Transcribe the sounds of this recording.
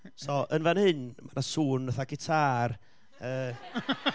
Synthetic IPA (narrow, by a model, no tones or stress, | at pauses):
sɔʔənvanhɨnmanasuːnːəθaɡɪtʰar | əː